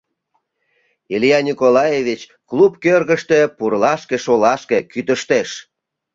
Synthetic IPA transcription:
ilijɑnʲikolɑjevit͡ɕ | klupkørɣəʃt̪e̽purlɑʃkeʃolɑʃkekyt̪əʃt̪eʃ

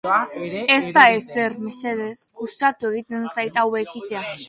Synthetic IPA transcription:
e̞st̪aese̞ɾmiseðesɡust̪at̪ue̞ɣ̞it̪e̞nsajt̪awekit̪e̞a

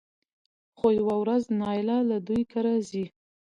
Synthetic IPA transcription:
xojawawɾaznɑjɪlɑlad̪ujkʰaɾɑzi

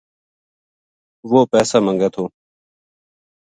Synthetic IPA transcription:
ʋoːpɛːsaːməŋɡeːt̪ʰoː

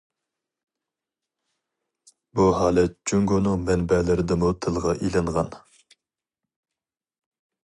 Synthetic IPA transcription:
buhɑːlɛt̪̚d͡ʒyŋɡonɨŋmɛnbɛlɪɾɪd̪ɪmut̪ʰɨlˠʁɑʔilɨɴʁɑn

